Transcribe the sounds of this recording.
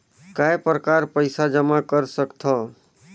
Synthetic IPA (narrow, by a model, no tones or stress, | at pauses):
kajpɾəkaɾpəjsad͡ʒəmakəɾsəkt̪ʰɔ